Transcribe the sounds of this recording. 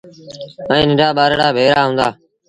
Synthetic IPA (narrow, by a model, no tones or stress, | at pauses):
ə̃ːnɪ̃ɖaːɓaːɾɽaːbʱeːɾaːɦũːnd̪aː